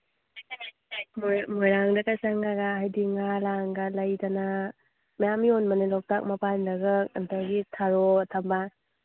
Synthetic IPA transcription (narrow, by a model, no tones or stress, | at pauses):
mmojɾaŋdakasaŋaɡaɦajdiŋalaŋɡalɐjdana | majamionmɐnelɔk̚tak̚mapandaɡɯkɐntaɡitʰaɾɔtʰamba